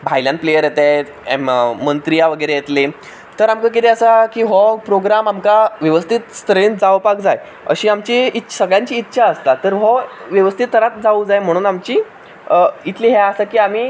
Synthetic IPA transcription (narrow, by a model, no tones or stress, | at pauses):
bʱajljãnt̪plejəɾjet̪a | mənt̪ɾijaʋəɡəɾejet̪le | t̪əɾamkak̬it̪eəsakiːɦɔpɾoɡɾamamkaʋjəʋəst̪ʰit̪st̪ɾent̪d͡zaʋpakd͡zaj | ə̰ɕiːamt͡ɕiitsəɡɭjãɲt͡ɕiːtːɕʰaəst̪at̪əɾɦɔʋjəʋəst̪ʰit̪ːəɾat̪d͡zaud͡zajm̤əɽ̃uːnamt͡ɕiː | it̪liːɦɛəsakiːam̤iː